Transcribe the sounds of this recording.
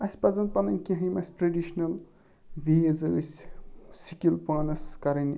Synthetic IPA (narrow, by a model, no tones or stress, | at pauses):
ɐsʲpɐzɐn̚pɐnɐnʲkʲĩɦɐ̃jmɐsʲʈɾɐɖiʃnɐl | ʋeːzɐsʲsikʲilpaːnɐskɐɾɐni